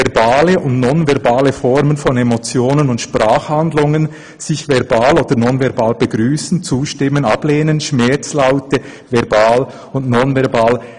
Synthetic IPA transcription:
ɛʁbaːləʊntnɔnvɛʁbaːləfɔɾmənfɔnemot͡sjoːnənʊntʃpʁaːχhandlʊŋən | z̥ɪçvɛʁbaːloːd̥ənɔnvɛʁbaːlb̥əɡɾyːsn̩t͡suːʃtɪmːənɑb̥leːnənʃmɛt͡slaʊtə | vɛʁbaːl | ʊntnɔnvɛʁbaːl

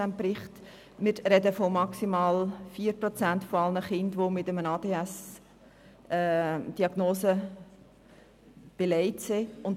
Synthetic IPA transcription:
æmpɾɪχt | mɪɾɾɛdəfomɑksimɑːlfiːəɾprɔt͡sæntfoɑlnəχɪndʋomɪtəmənɑːd̥eːæs | ɛːd̥iɑɡ̥noːsə | b̥elɛɪtseʊnt

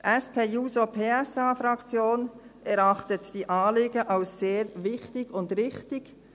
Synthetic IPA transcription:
ʔɛspʰeːjuːzopʰeːɛsɑːfɾɑkt͡sjoːnʔɛɾɑχtətd̥iːʔɑːleːɡəʔalsseːɾvɪçtɪɡʊndʁɪçtɪɡ

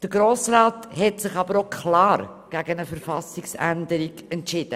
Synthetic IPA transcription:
d̥əɡɾoːsɾaːthɛtsɪχɑb̥əɾokʰχlɑːɾ | ɡ̥æɡənəfəɾfɑsɪksæ̰ndəɾiɡɛntʃɪd̥ə

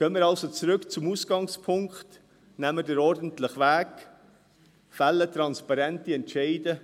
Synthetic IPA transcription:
kœmɪɾɑlsot͡sɾʏkt͡sumuːsɡ̥ɑŋspʰʊŋkχt | nɛmːədəɾɔɾdən̩tlɪχvæːk | fælːətɾɑnspɑɾɛntiɛntʃɛɪdə

